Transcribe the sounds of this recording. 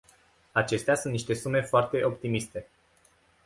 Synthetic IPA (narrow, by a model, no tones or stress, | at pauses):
at͡ʃe̞st̪easunt̪niʃt̪e̞sume̞foart̪e̞ʔo̞pt̪imist̪e̞